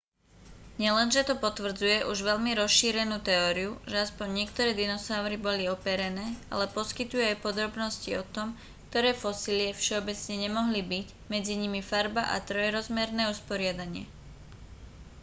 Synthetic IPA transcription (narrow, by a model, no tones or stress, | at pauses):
ɲɪɛlɛnʒɛt̪ɔpɔt̪ʋr̩d͡zujɛʔuʒʋɛʎmiɾɔsʃiːɾɛnuːt̪ɛɔːɾiuʒɛaspɔɲːɪɛkt̪ɔɾɛːd̪inɔsaʊɾibɔliɔpɛɾɛnɛːa̰lɛpɔskit̪ujuajpɔd̪ɾɔbnɔsciɔt̪ɔm | k̚t̪ɔɾɛːfɔsilɪɛfʃɛɔbɛt͡sɲɛɲɛmɔɦlibic | mɛd͡ziɲimifaɾbaʔa̰t̪ɾɔjɛɾɔzmɛɾnɛːuspɔɾɪad̪aɲɪɛ̰